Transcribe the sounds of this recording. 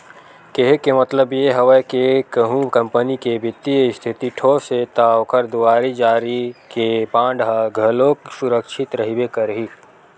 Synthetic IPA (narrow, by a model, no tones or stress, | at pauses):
keɦekemɐt̪ləbjeɦɐʋəjkekəɦũkɐ̃mpənikebɪt̪ːist̪ʰɪt̪iʈʰoːset̪awkəɾd̪uaːɾid͡ʒaːɾikepãːɳɖɦaɡʱɐloːksʊɾəkʃʰɪt̪ɾɐɦibekəɾɦiː